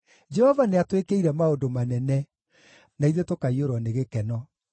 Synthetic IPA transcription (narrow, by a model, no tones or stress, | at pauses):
d͡ʒɛhɔvaneatwekeiɾɛmaodomanɛnɛ | naiðetokaioɾɔneɣekɛnɔ